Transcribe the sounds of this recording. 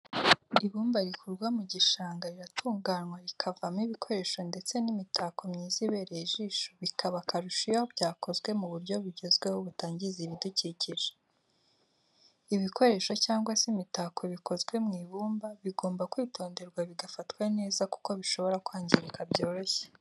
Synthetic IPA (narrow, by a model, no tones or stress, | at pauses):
iβuːmbaɾikʰuɾɡwamuɟiʃaːŋɡaɾiɾatʰuːŋɡaːnwaɾikʰavamŋiβikʰo̞ɾe̞ːʃo̞nde̞t͡se̞nimitʰako̞mɲiːziβe̞ɾeʒiːʃoβikʰaβakaɾuʃijahobɟaːko̞zwe̞muβuɾɟo̞βiɟezɡwe̞hoβutaːɲɟiziβiduciciʒe | iβiko̞ɾe̞ːʃo̞caːŋɡwasimitakʰo̞βikʰo̞zɡwe̞mŋiːβuːmbaβiɡo̞ːmbakwiːtʰo̞ːnde̞ɾɡwaβiɡafatwane̞ːzaku̥ko̞βiʃo̞βo̞ɾakwaːɲɟiɾikabjo̞ːɾo̞çe̥